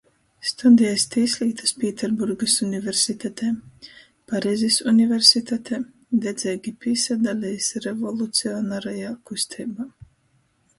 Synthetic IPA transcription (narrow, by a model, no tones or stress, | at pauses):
st̪ud̪ijɛst̪iːsʲlʲiːt̪ḁspʲiːt̪ɛɾbuɾɡɨsunʲivʲeɾsit̪ɛt̪ʰɛː | paɾɛzʲisunʲivʲeɾsit̪at̪ʰɛ | d̪ɛd̪zʲɛːɡʲipisad̪alʲɛjsɾevɔlˠut̪siɔnaɾajaːkust̪ʰɛːbaː